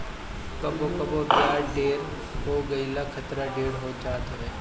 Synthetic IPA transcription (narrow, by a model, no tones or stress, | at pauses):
kɐbokɐbopjaːɾɖeːɾ | ɦoːɡəilakʰət̪ɾaɖeːɾɦoːt͡ʃaːt̪oeː